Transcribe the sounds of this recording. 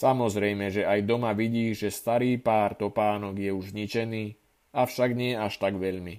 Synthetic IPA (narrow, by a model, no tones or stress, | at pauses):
samɔzɾɛjmɛʒɛajd̪ɔmaʋiɟiːʒɛst̪aɾiːpaːɾt̪ɔpaːnɔɡjɛuʒzɲit͡ʃɛniː | afʃaɡɲɪɛaʃt̪aɡʋɛʎmi